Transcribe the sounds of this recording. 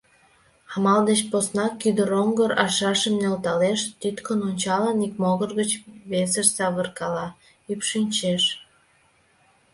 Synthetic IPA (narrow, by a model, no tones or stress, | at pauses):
ɑmɑld̪et͡ɕposnɑkːyd̪əɾoŋɡəɾɑʃɑʃəmnelt̪ɑleʃt̪yt̪kənonʲt͡ɕɑlɑnik̚moɣərɣət͡ɕβesəʃsɑβərkɑlɑ | ypʃynʲt͡ɕeʃ